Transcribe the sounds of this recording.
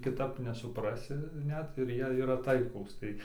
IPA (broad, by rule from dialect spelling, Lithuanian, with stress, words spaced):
kʲɪˈtɐp nʲɛsʊpˈrɑːsʲɪ ˈnʲɛt ɪr ˈjiɛ iːˈrɐ ˈtɐɪklˠuːs tɐɪ